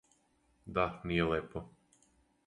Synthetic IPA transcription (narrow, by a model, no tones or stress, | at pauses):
d̪anijeleːpo